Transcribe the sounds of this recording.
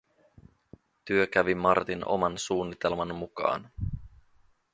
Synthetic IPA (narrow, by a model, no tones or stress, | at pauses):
t̪yøkæʋimɑrt̪ino̞̰mɑnsuːnːit̪e̞lmɑnmukɑ̰ːn